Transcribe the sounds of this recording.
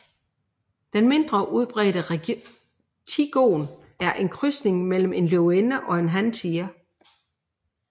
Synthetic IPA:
d̥enme̝nd̥ʁɐʔuð̞ˠb̥ʁɛ̰ːɾə | t͡sʰiɡ̥o̰ːn | æɐʔe̝nkʰʁysne̝ŋmel̰m̩e̝nløoenəʔɒ̽e̝nɦænt͡sʰiɐ

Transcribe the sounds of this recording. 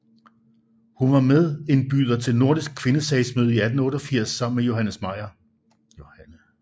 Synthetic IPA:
hunʋɑ̈meðˠe̝nb̥y̰ːð̞ˠɐt͡sʰe̝lno̝ɐ̰d̥isɡ̥̚kʰʋe̝nəsɛɪsmøð̞ˠiæd̥n̩ɔ̽ːɾ̥ɒ̽fiɐ̰sːɑ̈m̰n̩mejo̝ɦænəsmɑ̈ɪɐ

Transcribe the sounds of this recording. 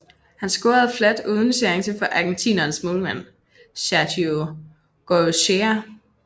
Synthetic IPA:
hænsɡ̥o̝ːɐð̩ˠflæd̥uːð̞ˠn̩seɐeŋsʰefɒ̽ʔɑ̈ɡ̥ent͡sʰḭːnɐːnsmolmæn̰ | ɕædʰio | ɡ̥oɕeɐ

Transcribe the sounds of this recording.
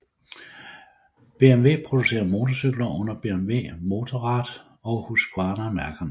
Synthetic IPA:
b̥e̝emʋe̝̰ːpʰʁo̝d̥use̝̰ːɐmo̝ːt͡sʰɒsyɡ̥lɐʔɔ̽n̰ɐb̥e̝emʋe̝̰ːmo̝ːt͡sʰɒʁɑ̈d̥ | ɒ̽huskʰwɑ̈nɐmæɐɡ̥ɐn

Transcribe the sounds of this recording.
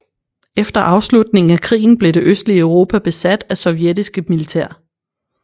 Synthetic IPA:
efd̥ɐʔɑ̈ʊslud̥ne̝ŋŋ̩ækʰʁḭːn̩b̥le̝ɾe̝ʔøsd̥liəœʊʁo̝ːpʰæb̥e̝sæd̥æsɒ̽ʊjed̥isɡ̥əmilit͡sʰeɐ̰

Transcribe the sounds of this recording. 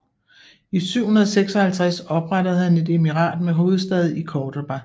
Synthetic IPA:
isyʊ̰hunɐð̞ˠɒseɡ̥sɒ̽hælt͡sʰʁasɒ̽b̥ʁadəð̞̩ˠhæne̝d̥e̝miʁɑ̰̈ːd̥meɦo̝ːð̞̩ˠsd̥ɛð̞ˠikʰɒːd̥ob̥æ

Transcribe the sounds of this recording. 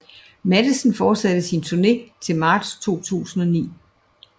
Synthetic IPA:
mæd̥əsn̩fɒ̥ːsæd̥əsint͡sʰuɐne̝̰ːt͡sʰe̝lmɑ̈ːd̥st͡sʰo̝̰ːt͡sʰṵːsn̩ɒ̽nḭː

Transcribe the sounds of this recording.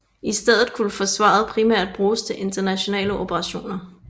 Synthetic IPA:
isd̥eð̞̰ˠð̩ˠkʰuləfɒ̽sʋɑ̰̈ð̩ˠpʰʁimæɐ̰d̥̚b̥ʁuːst͡sʰe̝ʔe̝nd̥ɐnæɕo̝nɛ̰ːləʔo̝b̥ʰəʁɑ̈ɕo̝̰ːnɐ

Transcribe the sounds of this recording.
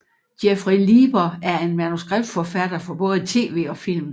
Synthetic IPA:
d̥jefʁiliːb̥ɐæɐe̝nmænusɡ̥ʁab̥̚d̥fɒfæd̥ɐfɒ̽b̥ɔ̽ːð̞̩ˠət͡sʰe̝̰ːʋe̝̰ːɒ̽fil̰m

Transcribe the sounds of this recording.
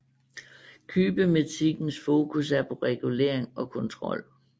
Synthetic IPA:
kʰyːb̥əmet͡sʰiɡ̥n̩sfo̝ːkʰus̬æɐpʰɒ̽ʁɛɡ̥ule̝̰ɐ̰e̝ŋɒ̽kʰɔ̽nt͡sʰʁɒ̽l̰

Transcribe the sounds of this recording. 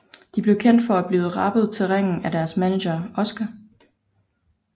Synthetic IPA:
d̥ib̥le̝ʊkʰen̰d̥fɒ̽æb̥liːð̩ˠʁɑ̈b̥əð̞̩ˠt͡sʰe̝lʁeŋ̰n̩æd̥æɐsmæneɕɐɒ̽sɡ̥ɐ

